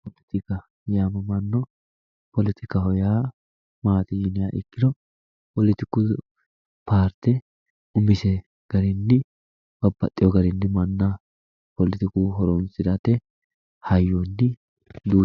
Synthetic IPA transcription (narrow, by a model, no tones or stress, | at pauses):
pɔlɪt̪ɪkɐ | jaːmɐmɐnːɔ | pɔlɪt̪ɪkɐhɔjaː | maːt̪ɪjɪnɪjaːʔɪ̰kːɪd̪ɔ | pɔlɪt̪ɪkːu | paːɾt̪ɛ | ʊmɪsɛ | ɡ̥ɐɾɪnːɪ | b̥ɐbːɐt̪ʼːɪjɔɡɐɾɪnːɪmɐnːɐ | pɔlɪt̪ɪkuːɦɔɾɔnsɪd̪ɐt̪ːɛ | hɐjːonːɪ | d̪uː